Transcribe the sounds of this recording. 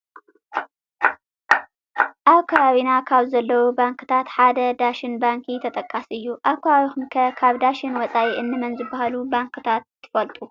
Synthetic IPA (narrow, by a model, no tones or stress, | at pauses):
ʔaβkʰɐβaβinakʰaβzɐlːɐwubaŋkʰɨ̥t̪ʰat̪ħad̪ɐd̪aʃɪnbaŋkʰit̪ʰɐt̪ʼɐkʼːasɨjːuʔaβkʰɐβaβixumkʰɐkʰaβd̪aʃɪnwɔt͡sʼaʔiʔɨnːɨmɐnzɨbahalubaŋkʰɨt̪ʰat̪ʰːɨ̥fɐlt̪ʼu